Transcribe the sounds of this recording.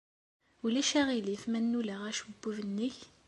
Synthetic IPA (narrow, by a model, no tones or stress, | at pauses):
ulæʃæʁilifmænːulæʁæʃəbːuvənːəç